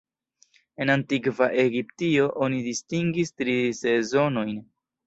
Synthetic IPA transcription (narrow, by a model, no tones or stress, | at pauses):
e̞nantikvaʔe̞ɡiptio̞ʔo̞nidistiŋɡistɾise̞zo̞no̞jn